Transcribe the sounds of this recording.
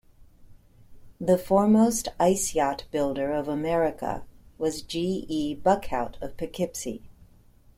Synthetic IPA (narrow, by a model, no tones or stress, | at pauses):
ðɨfɔɹmoʊstaɪsiɑt̚b̥ɪlˠdə˞ʌvəmɛɹɨkə̰wʌzd͡ʒiibʌkʰaʊɾʌv̥pʰɨkʰɪpsḭ